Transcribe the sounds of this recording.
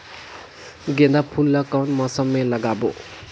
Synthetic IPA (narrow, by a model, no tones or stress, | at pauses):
ɡend̪apʰulːʌkawnmʌsʌmːelʌɡabo̰